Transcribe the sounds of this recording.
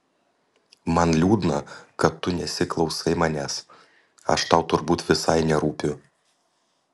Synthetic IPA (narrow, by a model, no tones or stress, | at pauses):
mɐnlʲuːd̪nɐkɐt̪ːʊnʲɛsʲɪklˠɒʊsɐɪmɐnʲæs | ɐ̰ʃt̪ɐʊt̪ʊɾbuːt̪ʋʲɪsɐɪnʲɛɾuːpʲʊ